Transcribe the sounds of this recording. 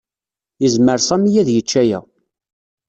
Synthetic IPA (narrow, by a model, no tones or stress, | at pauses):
jəzməɾsæmijæðjət͡ʃːæjæ̰